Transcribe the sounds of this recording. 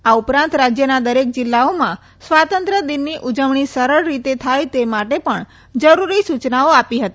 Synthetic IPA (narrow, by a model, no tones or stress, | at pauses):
aupɾãnt̪ɾad͡ʒjənad̪əɾek̚d͡ʒɪlːaomã | sʋat̪ənt̪ɾəd̪inːiʔud͡ʒəʋɳ̃isəɾəɭːit̪et̪ʰajt̪emaʈepəɳ | d͡ʒəɾuɾisut͡ʃnaoapiɦət̪i